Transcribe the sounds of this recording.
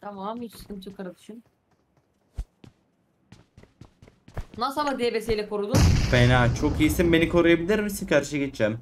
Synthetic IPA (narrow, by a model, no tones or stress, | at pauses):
t̪ʰamaamit͡ʃʰɯ̥skɯnt͡ʃʰokʰaɾɯd̪ɯ̥ʃɯn | nasabad̪ebesejlʲɛkʰoɾud̪umfenaːt͡ʃʰo̞kijsimbe̞nikʰo̞ɾujabilʲiɾmsikaɾʃɯɡet͡ʃd͡ʒɛːm